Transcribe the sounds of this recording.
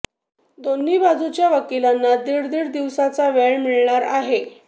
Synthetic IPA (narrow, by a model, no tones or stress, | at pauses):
d̪onːiːbad͡zut͡ɕjaʋəkilanːad̪iɽd̪iːɽd̪iʋsat͡saʋeɭmiɭɳaɾa̰ɦe